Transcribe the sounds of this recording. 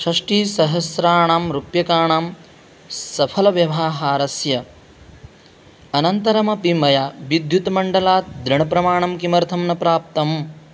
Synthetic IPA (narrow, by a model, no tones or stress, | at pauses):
ʃɐʂʈiːsɐɦɐsɾaːɳaːmɾupjɐkaːɳaːm | sɐpʰɐlɐʋjɐʋaːɦaːɾɐsjɐ | ɐnɐnt̪ɐɾɐmɐpimɐjaːʋid̪ʱjut̪mɐɳɖɐlaːt̪̚d̪ɾiɳɐpɾɐmaːɳɐmkimɐɾt̪ʰɐmnɐpɾaːp̚t̪ɐm